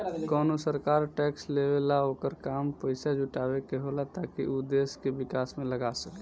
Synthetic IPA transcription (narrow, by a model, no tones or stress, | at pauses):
kɔːnosəɾkaːɾʈɛːksleːʋelaoːkəɾkaːmpəɪsad͡ʒʱʊʈaːwekeɦolat̪aːkḭʔud̪eːskebɪkaːsmẽləɡasəke